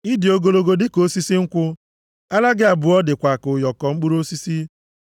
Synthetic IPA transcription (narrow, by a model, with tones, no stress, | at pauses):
i˦di˨o˦ɡo˦lo˦ɡo˦dɪ˦ko˦si˦si˦ŋ̩˦kʷʊ˦ | a˦la˦ɡɪ˦a˨bʊ˨ɔ˦dɪ˨kʷa˨kʊ˨jɔ˨kɔ˨ŋ͡m̩˦k͡pu˦ɾo˦si˦si˦